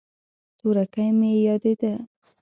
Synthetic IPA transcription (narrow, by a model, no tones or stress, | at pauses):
t̪uɾakajmejɑd̪ed̪a